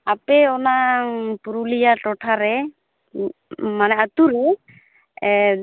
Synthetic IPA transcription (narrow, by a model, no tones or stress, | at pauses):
apɛɔnaŋpuɾulijaʈɔʈʰaɾɛ | manɛat̪uɾɛ